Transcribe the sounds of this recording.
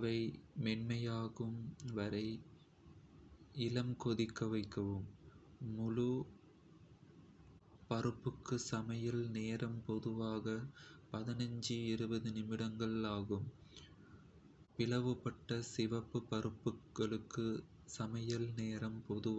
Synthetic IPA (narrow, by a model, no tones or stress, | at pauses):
ɐʋɐɪmɛɳmɐjaːɣɯmʋɐɾɐɪ | ɪlɐmkɔðɪkːɐʋɐɪkːɐʋɯmː | ʊɻu | pɐrɯpːɯkːɯsɐmɐjɐlneːɾɐmpɔðɯʋaːɣɐpɐðɪnɐɲd͡ʒɯɪɾɯbɐðɯnɪmɪɽɐŋɡɐɭaːɣɯm | pɪlɐʋɯpɐʈːɐsɪʋɐpːɯpɐrɯpːɯɐɭɯkːɯ | sɐmɐjɐlneːɾɐmpɔðɯ